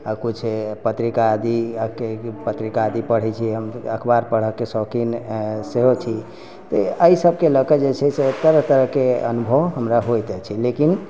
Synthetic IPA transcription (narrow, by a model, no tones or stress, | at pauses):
akut͡ʃʰpət̪ɾikad̪iəkepət̪ɾikaːd̪ipəɽ̤ɛt͡ʃʰiɦəməkʰbaɾpəɽ̤əkːesɔkinseɦot͡ʃʰi | t̪ɔəisəbʱkeləkəd͡ʒet͡ʃʰɛset̪əɾət̪əɾəɦkeə̰nubʱəɦəmɾaɦojt̪ɛt͡ʃʰilekin